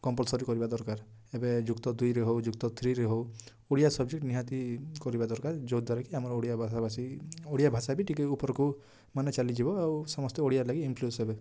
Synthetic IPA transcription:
kɔmpɔlsɔɾikɔɾibad̪ɔɾkaɾ | ebed͡ʒukt̪ɔd̪ujɾeɦowd͡ʒuk̚t̪ɔt̪ʰɾiɾeɦow | oɽijasɔbd͡ʒek̚ʈniɦat̪ikɔɾibad̪ɔɾkaɾd͡ʒod̪waɾakiamɔɾɔoɽijabʱasabasioɽijabʱasabiʈikeupɔɾɔku | manet͡ʃalid͡ʒibɔawsɔmɔst̪eoɽijaɾlaɡiimplusebe

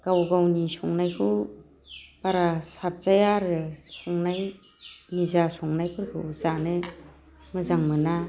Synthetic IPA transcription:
ɡ̥awɡawnisɔŋnajkʰɯ | paɾasap̚zajaɾɯsɔŋnaj | nizasɔŋnajpʰɯɾkʰɯ̰zanɯ | mɯzaŋmɯna

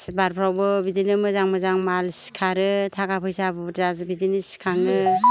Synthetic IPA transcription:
sbaɾpʰɾawbɯbidinɯmɯzaŋmɯzaŋmalsi̥kʰaɾɯtʰaɡapʰɯjsabɯɾzazbidinɯsi̥kʰaŋɯ

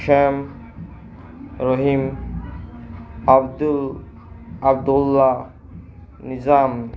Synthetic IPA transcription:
ʃam | ɾɔɦim | ad̪u | ab̚d̪ulːa | nizam

